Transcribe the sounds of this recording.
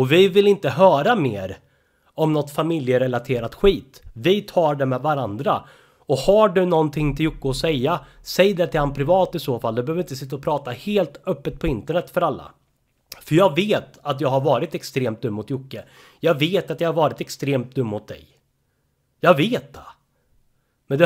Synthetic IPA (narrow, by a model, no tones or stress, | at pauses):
ɔvɪvɪlɪnt̪əɦœːɾameːɾ | ɔmnɔt̪famɪljəɾɛlat̪ʰeːɾat̪ɧiːt̪vɪt̪ʰɑːɖɛmɛvaɾand̪ɾa̰ | ɔhaɖɵnɔnt̪ʰɪŋːt̪ʰɪljʊkːəɔsɛjːa | sɛjd̪ɛt̪ʰɪlhanpʰɾɪvɑːt̪ɪsoːfald̪ɛbɛhøvɾɪnt̪əsɪt̪ːaɔpʰɾɑːt̪aheːlt̪œpːət̪̚pʰɔɪnt̪əɳɛt̪ːfœɾalːa̰ | fœɾjɑːɡveːt̪at̪̬jɑːɡhaɾvɑːɾɪt̪ɛkst̪ɾeːmt̪̚d̪ɵmːʊt̪jʊkːə | jɑːɡveːt̪at̪jɑːɡhaɾvɑːɾɪt̪ɛkst̪ɾeːmt̪̚d̪ɵmːmʊt̪̚d̪ɛ̰j | jɑːɡveːt̪̚d̪ɛ | mɛnd̪ɛ